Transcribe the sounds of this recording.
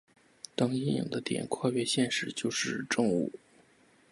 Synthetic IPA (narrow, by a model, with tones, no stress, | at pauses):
t̪ɑ˥ŋi˥˩ŋḭ˨˩ŋd̪ə˦t̪jɛ̰˨˩nkʰwa˥˧ɥɛ˥˧ɕjɛ˥˧nʂɻ̩˥˩t͡ɕjo˥˧ʊʂɻ̩˥˧ʈ͡ʂɤ˥˧ŋṵ˥˩